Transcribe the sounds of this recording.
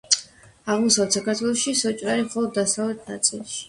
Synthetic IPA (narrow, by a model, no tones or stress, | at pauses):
aʁmɔsavɛt̪sakaɾt̪ʰwɛlˠɔʃisɔt͡ʃʼɾaɾimχɔlˠɔd̪ːasavlɛt̪̚ʰnat̪sʼilˠʃi̥